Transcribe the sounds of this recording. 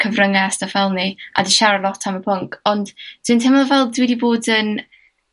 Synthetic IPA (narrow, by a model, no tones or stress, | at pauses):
kʰəvrəŋasdafɛlˠnia̰diʃaɾalˠɔtʰaməpʰʊŋkʰɔndd̥wintʰɛmɔlˠvɛlˠdwidiboːdən